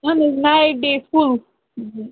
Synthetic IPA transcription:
aneznaɪɖeful̩

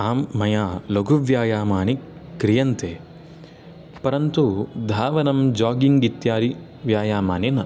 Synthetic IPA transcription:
aːmːɐjaːloɡʱuʋjaːjaːmaːnikɾijɐnt̪eː | pɐɾɐnt̪ud̪ʱaːʋɐnɐmd͡ʒaːɡiŋɡit̪jaːɾi | ʋjaːjaːmaːninɐ

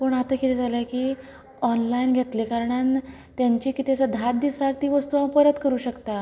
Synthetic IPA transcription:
pəɳat̪əːkit̪ed͡zaləkiː | ɔnlainɡʱet̪lekaɾɳan | t̪jaɲt͡ɕiːkit̪it͡sad̪ʱat̪̚d̪isak̚t̪iːʋəst̪uapəɾət̪kəɾuːɕəkt̪a

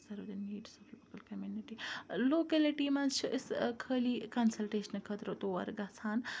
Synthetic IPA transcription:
sɐɾʋɐd̪iniːɖsɔfloːkɐlkɐmjuniʈiloːkeliʈiːmɐnt͡ʃʰuʔiskʰəːliːkɐnsɐlʈeːʃɐnkʰət̪ɾot̪oːɐ̰ɾɡɐsaːn

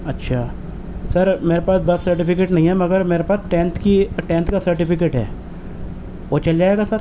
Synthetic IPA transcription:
ɐtːʃʰaː | sɐɾmeːɾepaːsbɐt̪sɐɾʈ̬ɪpɪkeːʈnɐɦĩɦɛmɐɡəɾmeːɾepaːsʈẽːnt̪ʰkiʈẽːnt̪kasɐɾʈɪpɪkeːʈɦɛ̰ː | ʋoːt͡ʃɐld͡ʒaːeɡasɐɾ

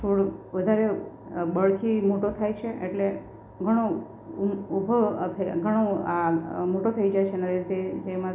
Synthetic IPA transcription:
t̪ʰoɽʋəd̪ʱaɾebəɭkʰimoʈot̪ʰajt͡ʃʰeeʈle | ɡʱəɽ̃o | ubʱət̪ʰɡʱəɽ̃oamoʈot̪ʰəid͡ʒajt͡ʃʰenaɾiɾit̪ed͡ʒemã

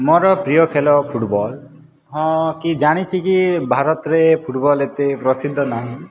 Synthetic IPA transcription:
moɾɔpɾijɔkʰelɔpʰuʈbɔl | ɦɔ̃kid͡ʒaɽ̃it͡ʃʰikibʱaɾɔt̪ɔɾepʰuʈbɔlet̪epɾɔsid̪ʱːɔnaɦĩ

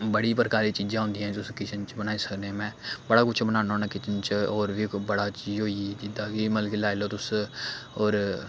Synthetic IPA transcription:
bəɽiːpəɾkaːɾiːt͡ʃiːd͡ʒãːɦʊ̃ːnd̪iãːt̪ʊskɪt͡ʃʰənt͡ʃbənaːiːsəknemɛ̃ːbəɽaːkʊt͡ʃʰbənãːnõːnəkɪt͡ʃənt͡ʃɔːɾʋibəɽaːt͡ʃiːd͡ʒɦoːid͡ʒɪd̪aːkiməlkilaːeloːt̪ʊs | oːɾ

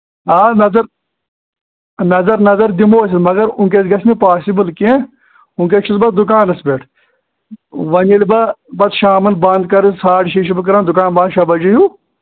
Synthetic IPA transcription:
aːnɐzɐɾ | nɐzɐɾnɐzɐɾd̪imoːs̬it̪mɐɡɐɾũŋkesɡɐsʰmipaːsibɨlkẽ | ũnket͡ʃʰisbɐt̪̚d̪ʊk̬aːnɐsbeːʈʰ | ʋɐnilbɐbɐt̪ʃaːmɐnbɐnd̪̚kɐɾissaːʈʃiːʃubɐk̬ɐɾaːnd̪ʊkaːnbaːnʃaːbɐd͡ʒɐjuː

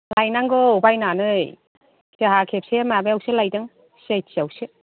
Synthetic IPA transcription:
lajnaŋɡɔubajnanɯj | keɦakʰep̚semabeawselajdɯŋ | sajsiawsɯ

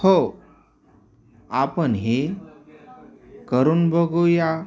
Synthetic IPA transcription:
ho | apənɦe | kəɾuːnbəɡoja

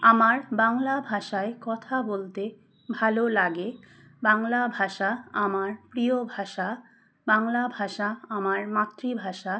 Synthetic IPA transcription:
amaɾbaŋlabʱaʃaekɔt̪ʰabolt̪e | bʱalolaɡe | baŋlabʱaʃaamaɾpɾiobʱaʃa | baŋlabʱaʃaamaɾmat̪ːɾibʱaʃa

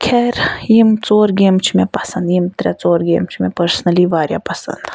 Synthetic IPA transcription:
kʰɛɾjimt͡soːɾɡʲeːmt͡ʃʰimʲapɐsɐnd̪jimt̪ɾʲat͡soːɾɡʲeːmt͡ʃʰimʲɛpɐɾsnɐliʋaːɾʲja̰pɐsɐ̰nd̪

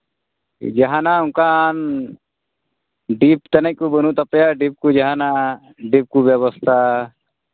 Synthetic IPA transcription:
d͡ʒaɦanauŋkan | ɖip̚t̪ənɛc̚kubənut̪apɛjaɖip̚kud͡ʒaɦana | ɖip̚kubjɛβɔst̪ʰa

